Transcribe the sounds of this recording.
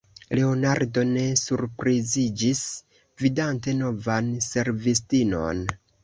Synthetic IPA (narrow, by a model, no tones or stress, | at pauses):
le̞onaɾdo̞ne̞suɾpɾizid͡ʒis | vidante̞no̞vanse̞ɾvistino̰n